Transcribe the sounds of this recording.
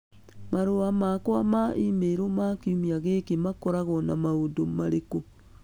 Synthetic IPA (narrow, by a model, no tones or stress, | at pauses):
maɾoamakwamaʔimeɾomakiumiaɣekemakɔɾaɣɔnamaodomaɾeko